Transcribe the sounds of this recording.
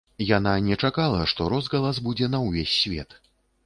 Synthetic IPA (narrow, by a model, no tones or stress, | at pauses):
jananʲɛt͡ʂakalˠɐʂt̪ɔɾɔzɣɐlˠazbud͡zʲɛnɐwvʲesʲːvʲɛ̰t̪